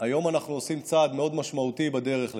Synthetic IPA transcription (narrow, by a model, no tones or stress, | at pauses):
ajo̞manaχnuosimt͡saːd̪me̞o̞d̪maʃmaut̪ibad̪eʁe̞χl